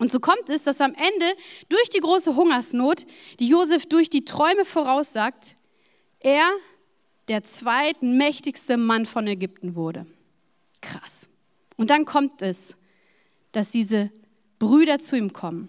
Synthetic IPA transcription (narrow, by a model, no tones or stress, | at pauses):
ʔʊntz̥oːkʰɔmtɛsd̥asamʔɛndəd̥ʊɐçd̥iːɡʁoːsəɦʊŋɐsnoːt | d̥iːjoːzɛfd̥ʊɐçd̥iːtʁ̥ɔʏməfoʁaʊsz̥aːk̚t | ʔeːɐ | d̥eːɐt͡sv̥aɪtmɛçtɪçstəmanfɔnɛɡʏp̚tn̩vʊɐdə̰ | kʁ̥a̰s | ʔʊnt̚d̥ankʰɔmtɛs | d̥asd̥iːzə | b̥ʁyːɾɐt͡suiːmkʰɔmən